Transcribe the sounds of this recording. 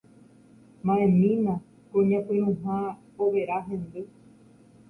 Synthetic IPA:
mãẽmĩnã | kõɲãpɨ̃ɾ̃ũɦã | oʋe̞ɾaɦẽ̞nd̪ɨ

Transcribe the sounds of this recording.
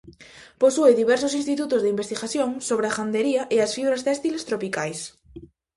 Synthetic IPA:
posueðiβɛɾsosinst̪it̪ut̪ozðeimbest̪iɣaθjõŋsoβ̞ɾeaxand̪eɾiaʔeasfiɣɾast̪ɛst̪ilest̪ɾopikajs

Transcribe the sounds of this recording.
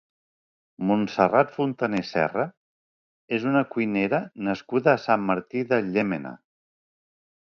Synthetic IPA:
munsərat̪funt̪ənesɛ̰rə | ezunəkujneɾənəskuðəːsamːəɾt̪iðəʎemena̰

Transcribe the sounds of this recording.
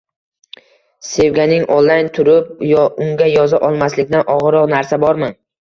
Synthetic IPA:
se̞vɡʲanɪŋʔolˠːajnt̪ʰʊɾɪp̚jɒʔʊŋɡʲajɒzaʔɒlˠmaslɪkʲd̪anʔɒʁɨɾɒqnaɾsabɒɾmɪn

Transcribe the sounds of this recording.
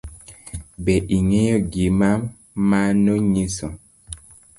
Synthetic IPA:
bɛʔiŋɛjɔɡima | manɔɲisɔ

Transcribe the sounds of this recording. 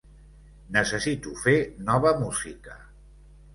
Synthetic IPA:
nəsəsit̪ufenɔβəmuzikə

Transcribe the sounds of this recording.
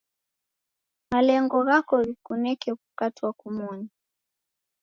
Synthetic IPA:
malɛŋɡɔɣakɔɣikunɛkɛkukatiwakumɔni

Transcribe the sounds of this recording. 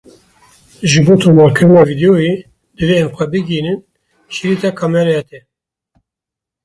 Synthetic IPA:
ʒɨboːt̪ʰoːmɑːlkʰɨɾɨnɑːvid̪ɛjoje | d̪ɨveɛmxʷɛbɨɡiːnɨn | ʃiɾiːt̪ɛkʰɑmɛɾɛɛt̪ʰɛ

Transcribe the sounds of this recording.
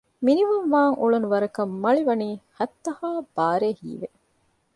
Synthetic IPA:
miniʋunʋaːŋuɭunuʋɐɾɐkɐmːɐɭiʋɐniːhɐt̪ːɐhaːb̥aːɾeːhḭːʋe

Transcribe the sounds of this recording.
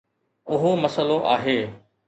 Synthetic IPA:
ʊɦomɐsəloʔa̰ːɦeː

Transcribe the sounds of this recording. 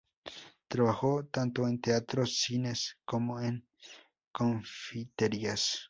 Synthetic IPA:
t̪ɾaβahot̪ant̪oent̪eat̪ɾosineskomoeŋ | koɱfit̪eɾias

